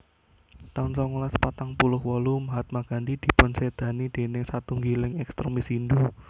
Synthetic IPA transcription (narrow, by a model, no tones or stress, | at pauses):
t̪aʊnsɔŋulaspat̪aŋpulʊhwɔlumɦat̪̚maɡ̥a̤ndid̪̥i̤pʊnsed̪̥ä̤nid̪̥e̤nɪŋsat̪uŋɡilɪŋɛkst̪ɾemisindu